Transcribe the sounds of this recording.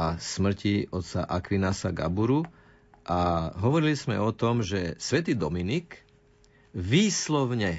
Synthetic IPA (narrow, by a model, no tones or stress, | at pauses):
asmr̩ciɔt̪t͡sa̰ʔakʋinasaɡa̰buɾu | ʔaɦɔʋɔɾilizmɛ̰ɔt̪ɔmʒɛsʋɛt̪iːd̪ɔminik | ʋiːslɔʋɲɛ